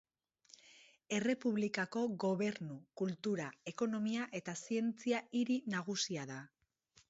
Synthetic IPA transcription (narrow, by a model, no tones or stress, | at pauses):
e̞re̞puβ̞likako̞ɣo̞β̞e̞ɾnukult̪uɾaeko̞no̞miaʔe̞t̪asie̞nt͡siaiɾinaɣusiaða